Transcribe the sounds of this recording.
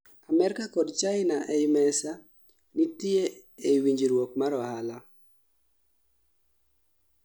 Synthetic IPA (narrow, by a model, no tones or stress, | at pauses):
amɛɾkakɔdt͡ʃaɪnaʔeimɛsa | nitieewiɲd͡ʒiɾwok̚maɾɔhala